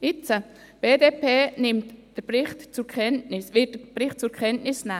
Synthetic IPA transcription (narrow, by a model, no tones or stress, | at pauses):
ɪt͡sə | b̥eːdeːpʰeːnɪmtd̥əbrɪχtt͡sʊɾkʰɛntnɪsʋɪt̚əb̥ɾɪχt̚t͡sʊkʰχɛntnɪsna